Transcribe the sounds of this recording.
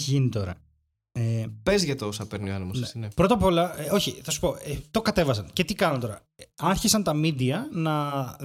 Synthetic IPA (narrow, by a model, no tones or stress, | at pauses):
çiʝinit̪o̞ɾɐ̰ | epe̞zʝɐt̪osɐpeɾnioɐnimonsinepɾo̞t̪ɐpo̞lɐo̞çiθɐsu̥po̞et̪o̞kɐt̪e̞vɐsɐnce̞t̪ikɐnɐnt̪o̞ɾɐ̰ɐɾçisɐnt̪ɐmid̪iɐnɐ